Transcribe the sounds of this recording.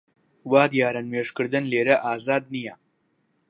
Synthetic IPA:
waːd̪jaːɾɐnmeːʃkɨɾd̪ɨnleːɾɐʔaːzaːd̪̚nijɐ

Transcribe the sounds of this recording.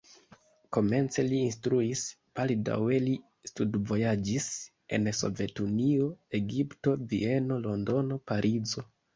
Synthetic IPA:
ko̞me̞nt͡se̞liːnstɾuis | b̥alda̰we̞li | studvo̞jad͡ʒis | e̞̰nso̞̰ve̞tunio̞e̞ɡipto̞vḭe̞no̞lo̞ndo̞no̞paɾʔizo̞

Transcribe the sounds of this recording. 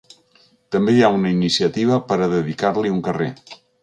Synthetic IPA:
t̪əmbejaunəinisiət̪iβ̞əpəɾəðəðikaɾliuŋkərḛ

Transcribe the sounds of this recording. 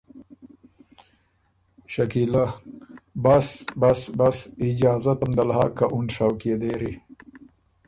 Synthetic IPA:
ʃɐkila | basbasbasiɪd͡ʒɑːzat̪amd̪alha̰ːkaʔunʂawkied̪eɾi

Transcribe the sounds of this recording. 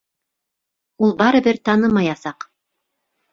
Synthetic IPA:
ulˠbɑɾɤ̆bɘɾt̪ɑnɤmɑjɑsɑq

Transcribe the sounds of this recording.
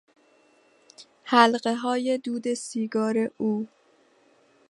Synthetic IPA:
hælɢe̞ɦɒːje̞d̪uːd̪e̞siːɡɒːɾe̞ʔuː

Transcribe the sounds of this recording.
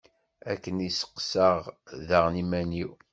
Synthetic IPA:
ækːənisə̥qːsəʁðəʁnimæniw

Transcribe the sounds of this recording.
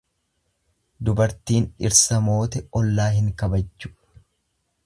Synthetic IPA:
d̪ʊbɐɾt̪iːnᶑɪɾsɐmo̞ːt̪ɛɔlːaːɦɪŋkɐbɐd͡ʒːʊ̥

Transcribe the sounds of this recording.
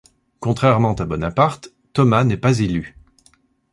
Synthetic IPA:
kɔ̃t̪χɛʁmɑ̃t̪abɔnapaʁt̪ːɔmanɛpazely

